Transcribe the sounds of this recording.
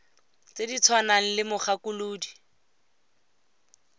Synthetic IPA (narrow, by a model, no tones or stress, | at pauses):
t͡sedit͡sʰwanaŋ̩lɪmʊχakʊluːdi